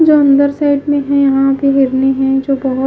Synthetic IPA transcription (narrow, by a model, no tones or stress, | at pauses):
d͡ʒoə̃nd̪əɾsaːɪɖmẽɦɛ̃jɐɦãbʱiɦɪɾneɦɛ̃d͡ʒobɐɦʊ